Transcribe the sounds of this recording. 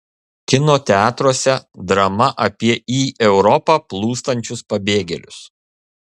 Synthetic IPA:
kʲɪnoːt̪ʲɛɑːt̪ɾoːsʲɛd̪ɾɐmɐʔɐpʲiɛiːʔɛʊɾɔpɑːplˠuːst̪ɐnʲt͡ʃʲʊspɐbʲeːɡʲɛlʲʊs

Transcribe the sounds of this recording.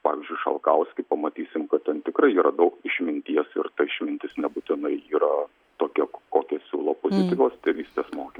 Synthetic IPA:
pɑ̰ːʋʲɪzʲd͡ʒʲʊɪʃɐ̰lˠkɐʊsʲkʲɪpɐmɐt̪ʲiːsʲɪmkɐt̪tʲɛnt̪ʲɪkɾɐɪiːɾɐd̪ɐʊkɪʃʲmʲɪnʲt̪ʲiɛsɪ̰rt̪ɐɪʃʲmʲɪnʲt̪ʲɪsnʲɛbut̪ʲɪnɐɪiːɾɐ | t̪oːkʲɛkoːkʲɛsʲuːlˠoːpoːzʲɪt̪ʲɪkoːst̪ʲɪʋʲiːsʲt̪ʲeːsmoːkʲɪ

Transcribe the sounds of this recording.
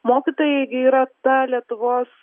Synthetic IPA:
moːkʲit̪oːjɛɡʲɪiːɾɐt̪ɐlʲiɛt̪ʊʋoːs

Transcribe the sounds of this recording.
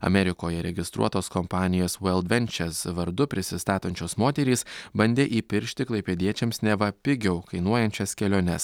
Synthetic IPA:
ɐ̰mʲɛɾʲɪkoːjɛɾʲɛɡʲɪst̪ɾṵɔt̪oːskɔmpɑːnʲɪjoːswɛlˠd̪ʲʋʲɛnʲt͡ʃʲɛsʋɐɾd̪ʊpʲɾʲɪsʲɪst̪ɑːt̪ɐnʲt͡ʃʲoːsmoːt̪ʲɛɾʲiːsbɐnʲd̪ʲeːʔiːpʲɪɾʲʃʲt̪ʲɪklˠɐɪpʲɛd̪ʲiɛt͡ʃʲɛmsnʲɛʋɐpʲɪɡʲɛʊkɐɪnuɔjɛnʲt͡ʃʲɛskʲɛlʲoːnʲɛs

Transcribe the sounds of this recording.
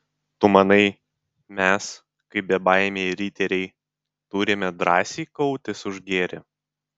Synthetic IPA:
t̪ʊmɐnɐɪ | mʲɛs | kɐɪbʲɛbɑˑɪmʲeːɾʲit̪ʲɛɾʲɛɪ | t̪uːɾʲɪmʲɛd̪ɾɑːsʲiːkɐʊt̪ʲɪsʊʒɡʲeːɾʲɪ̰

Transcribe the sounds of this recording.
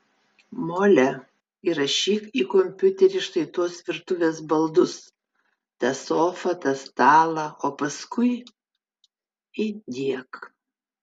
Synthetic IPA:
moːlʲɛ | iːɾɐʃʲiːkiːkɔmʲpʲʊt̪ʲɛɾʲɪʃt̪ɐɪt̪oːsʋʲɪɾt̪ʊʋʲeːsbɐlˠd̪ʊs | t̪ɐsoːfɐt̪ɐst̪ɑːlˠɐʔoːpɐskʊɪ | ɪd̪ʲiɛk

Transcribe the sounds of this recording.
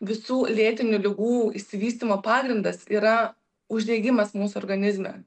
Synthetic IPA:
ʋʲɪsuːlʲeːt̪ʲɪnʲʊlʲɪɡuːɪʃʲsʲɪʋʲiːsʲt̪ʲiːmoːpɑːɡɾʲɪnd̪ɐsiːɾɐ | ʊʒʲd̪ʲɛɪɡʲɪmɐsmuːsʊɔːɾɡɐnʲɪzʲmʲɛ̰ː

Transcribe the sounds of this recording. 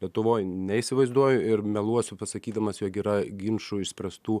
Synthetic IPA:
lʲiɛt̪ʊʋoːjnʲɛisʲɪʋɐɪzd̪uɔjʊɪɾmʲɛlˠuɔsʲʊpɐsɐkʲiːd̪ɐmɐsjoːkiːɾɐɡʲɪnʃuɪʃsʲpʲɾɐst̪uː

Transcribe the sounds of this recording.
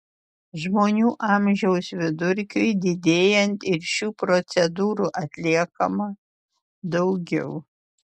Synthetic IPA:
ʒmoːnʲuːʔɑːˑmʲʒʲɛʊsʋʲɪd̪ʊɾʲkʲʊɪd̪ʲɪd̪ʲeːjɛnt̪ɪɾʃʲuːpɾɔt̪sʲɛd̪uːɾuːʔɐt̪ʲlʲiɛkɐmɐ | d̪ɒʊɡʲɛ̰ʊ

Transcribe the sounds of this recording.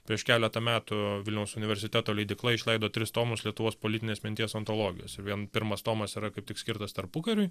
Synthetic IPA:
pʲɾʲiɛʃkʲæːlʲɛt̪ɐmʲæːt̪ʊʋʲɪlʲnʲɛʊsʊnʲɪʋʲɛɾʲsʲɪt̪ʲæːt̪oːlʲɛɪd̪ʲɪklˠɐɪʃʲlʲɛɪd̪oːt̪ʲɾʲɪst̪oːmʊslʲiɛt̪ʊʋoːspoːlʲɪt̪ʲɪnʲeːsmʲɪnt̪ʲiːɛsɐnt̪oːlˠoːɡʲɪ̰jo̰ːsɪɾʋʲiɛnpʲɪɾmɐst̪oːmɐsiɾɐkɐɪpt̪ʲɪksʲkʲɪɾt̪ɐst̪ɐɾpʊkɐɾʲʊɪ

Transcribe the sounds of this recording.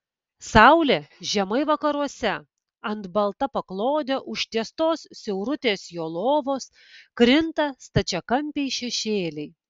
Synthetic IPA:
sɑʊlʲeʒʲɛmɐɪʋɐkɐɾuɔsʲɛ | ɐnt̪bɐlˠt̪ɐpɐklˠoːd̪ʲɛʔʊʃʲt̪ʲiɛst̪oːssʲɛʊɾʊt̪ʲeːsjoːlˠoːʋoːs | kɾʲɪnt̪ɐst̪ɐt͡ʃʲɛkɐmʲpʲɛɪʃʲɛʃʲeːlʲɛɪ

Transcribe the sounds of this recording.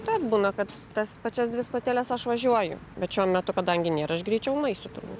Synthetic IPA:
t̪ɐt̪buːnɐkɐt̪ | t̪ɐspɐt͡ʃʲɛsd̪ʲʋʲɪst̪oːt̪ʲeːlʲɛsɐʃʋɐʒʲuɔjʊ̰bʲɛt̪ʃʲuɔmʲɛt̪ʊkɐd̪ɐŋʲɡʲɪnʲeːɾɐʃɡɾʲiːt͡ʃʲɛʊlˠɐɪsʲʊt̪ʊɾbṵt̪

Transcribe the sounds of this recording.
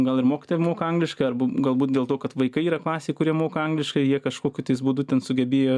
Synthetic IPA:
ɡɐlˠɪrmoːkʲɪ̥t̪oːjɛmoːkɐɐŋɡlʲɪʃkɐɪɐrbʊɡɐlˠbuːt̪̚d̪ʲeːlˠt̪oːkɐt̪ʋɐɪkɐɪiːɾɐklˠɑːsʲeːɪkʊɾʲiɛmoːkɐɐŋɡlʲɪʃkɐɪjiɛkɐʃkoːkʲʊt̪ɐɪsbuːd̪ʊt̪ʲɛnsʊɡʲɛbʲeːjoː

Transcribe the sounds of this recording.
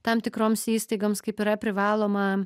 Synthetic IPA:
t̪ɐmt̪ʲɪkɾoːmsiːst̪ɐɪɡomskɐɪpʲɪɾɐpʲɾʲɪʋɑːlˠoːmɐ

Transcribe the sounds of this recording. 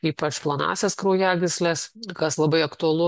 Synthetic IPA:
iːpɐt͡ʃplˠɐnɑ̰ːsʲeskɾɐʊjæːɡʲɪsʲlʲɛskɐslˠɐbɐɪɐkt̪ʊɐlˠʊ

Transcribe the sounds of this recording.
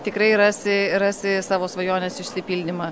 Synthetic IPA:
t̪ʲɪkɾɐɪɾɑːsʲɪrɑːsʲɪsɑːʋoːsʋɐjoːnʲeːsɪʃʲsʲɪpʲiːlʲd̪ʲɪmɐː

